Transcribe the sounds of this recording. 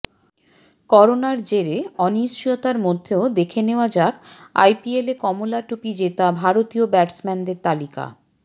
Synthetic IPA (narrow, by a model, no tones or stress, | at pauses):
kɔɾonaɾd͡ʑeɾeɔniʃijot̪aɾmod̪ʱːeod̪ekʰeneoad͡ʑaka̰jpielekɔmolaʈupid͡ʑet̪abʱaɾot̪iobɛʈsmɛnd̪eɾt̪alika̰